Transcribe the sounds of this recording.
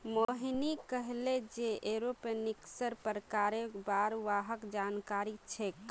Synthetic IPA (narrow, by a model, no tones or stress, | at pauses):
moɦinikəɦled͡ʒeʔeɾopeniksəɾpəɾəkaɾebaɾʋaɦəkd͡ʒankaɾit͡ʃʰɛk